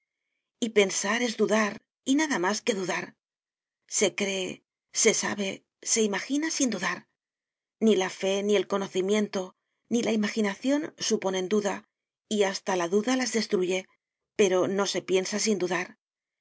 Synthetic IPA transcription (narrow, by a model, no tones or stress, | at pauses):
ipe̞nsaɾe̞zðuðaɾ | inaðamaske̞ðuðaɾ | se̞kɾe̞ | se̞sa̰βe̞ | se̞imaxinasind̪uðaɾ | nilafe̞nie̞lko̞no̞θimje̞nt̪o̞ | nilaimaxinaθjo̞nsupo̞ne̞nd̪uða | iast̪alaðuðalazðe̞st̪ɾuʝe̞ | pe̞ɾo̞no̞se̞pje̞nsas̬ind̪uðaɾ